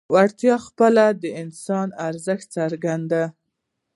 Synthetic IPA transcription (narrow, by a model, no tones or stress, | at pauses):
waɽt̪jɑxpəlad̪əɪnsɑnaɾzəxt̪̚t͡saɾɡand̪a